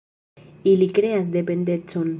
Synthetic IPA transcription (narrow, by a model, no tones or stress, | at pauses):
ilikɾeas̬d̪epend̪et͡son